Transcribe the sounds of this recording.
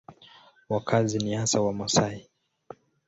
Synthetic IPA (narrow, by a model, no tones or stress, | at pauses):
wakʰazinihasawamɔsai